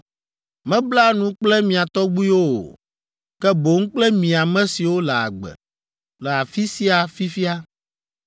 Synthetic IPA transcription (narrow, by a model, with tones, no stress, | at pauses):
mɛ̃˦bla˦nũ˦k͡plɛ˦mĩ˨a˨t̪ɔ˦ɡ͡bu˦i˦wo̰˦˨ | kɛ˦bo˨ŋ̩̃˦k͡plɛ˦mĩ˨a˨mɛ̃˦si˨wo˦lɛ˨a̰˨ɡ͡bɛ̰˨ | lɛ˨a˨fi˦si˦a˨fi˦fi˦a˦